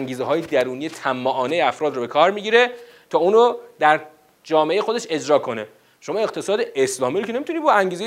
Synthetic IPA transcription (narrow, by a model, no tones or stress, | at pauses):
ŋɟiːzeɦɒːjed̪æɾuːnije̞t̪ʰæmːɒʔːnejeæfɾɒːd̪ɾobe̞kʰɒːɾmiːɟiːɾe | t̪ʰɒːuːnod̪æɾ | d͡ʒɒːmeejexo̞d̪eʃe̞d͡ʒɾɒːkʰo̞ne̞ | ʃo̞mɒːeqt̪ʰe̞sɒːd̪eʔeslɒːmiɾocenemit̪uniːbɒæŋɟiːze